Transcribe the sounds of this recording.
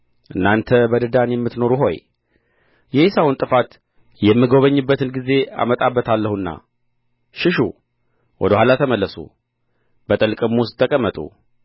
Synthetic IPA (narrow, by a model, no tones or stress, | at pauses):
ʔɨnːant̪ʰəbəd̪ɨd̪anjɛmːɨt̪no̞ɾuɦo̞j | jɛhisawnt̪ʼɨfat̪ | jɛmːiɡo̞βəɲːɨbːət̪ʰɨnɡize̞a̰mət̪ʼabːət̪ʰalːəhunːa̰ | ʃɪʃṵ | wʔɔ̰d̪əhʷalat̪ʰəməlːəsṵ | bət̪ʼɨlkʼɨmʊst̪ʰːəkʼəmːət̪ʼṵ